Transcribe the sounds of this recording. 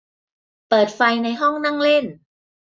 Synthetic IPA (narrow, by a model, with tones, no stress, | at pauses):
pɤː˨˩t̪̚fa˧jna˧jɦɔ˥˩ŋna˥˩ŋle˥˩n